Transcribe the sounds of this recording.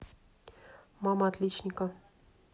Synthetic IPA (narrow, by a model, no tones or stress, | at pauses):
mɑmɑt̪lʲit͡ɕnʲikə